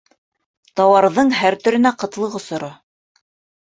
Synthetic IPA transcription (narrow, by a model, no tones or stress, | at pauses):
t̪ɑwɑɾðɤɴɦæɾt̪ɵ̆ɾɘ̆næqɤ̆t̪lˠɤ̆ʁŏsŏɾɤ